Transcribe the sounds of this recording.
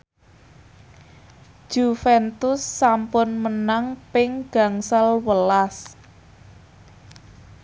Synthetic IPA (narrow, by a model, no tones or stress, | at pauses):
ʒ̥ufɛnt̪ʊsːampʊnmənaŋpɪŋɡ̥ä̤ŋsalwəlas